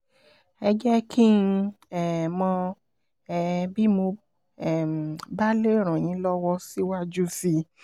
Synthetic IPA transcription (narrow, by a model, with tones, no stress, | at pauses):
ɛ˧d͡ʒɛ˦kʰi˦n̩˧ɛ˦˨mɔ̃˧˨ | bi˦mo˧ | ɛ˦˨ba˦le˦˨ɾ̃ã˨j̃ĩ˨˦lɔ˦wɔ˦si˦wa˦d͡ʒu˦fi˧